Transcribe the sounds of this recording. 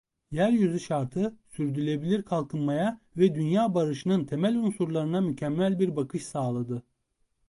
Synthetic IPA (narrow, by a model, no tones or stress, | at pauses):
jæɾjyzyʃaɾt̪ʰɯsyɾd̪ylʲe̞bilʲiɾkʰalˠkʰɯnmajavɛd̪ynjaːbaɾɯʃɯnɯnt̪ʰe̞mælʲunsuɾlˠaɾɯnamycʰɛmːælʲbiɾbakʰɯʃsaːlˠad̪ɯ